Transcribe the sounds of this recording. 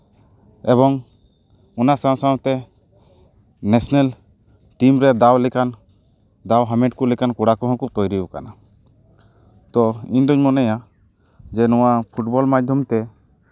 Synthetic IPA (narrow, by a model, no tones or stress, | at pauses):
ɛbɔŋ | unasãw̃sãt̪ɛ | nesɔnel | ʈimɾɛd̪awlɛkan | d̪awɦamɛʈ̚kulɛkankuɽakuɦɔ̃kut̪ɔjɾika̰na | t̪ɔiɲd̪ɔɲmɔnɛja | d͡ʒɛnɔwapʰuʈbɔlmad͡ʒd̪ʱjɔmt̪ɛ